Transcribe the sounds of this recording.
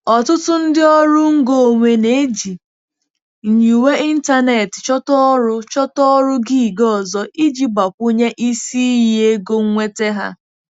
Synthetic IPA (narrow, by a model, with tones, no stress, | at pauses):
ɔ˨tʊ˦tʊ˦n̩˦dɪ˦ɔ˦ɾʊ˦ŋ̩˦ɡo˦˨ŋʷe˨ne˨e˦d͡ʒi˨ | ɲ̩˨ɲu˨we˦i˦n̩˦ta˦ne˨tɪ̥˨t͡ʃɔ˦tɔ˦ɾʊ˦t͡ʃɔ˦tɔ˦ɾʊ˦ɡi˦˨ɡɔ˦˨zɔ˦ʔi˦d͡ʒi˦ɡ͡ba˨kʷʊ˦ɲe˦ʔi˦si˦je˦ɡo˦ŋ̩˦ŋʷe˦te˦ɦa̰˦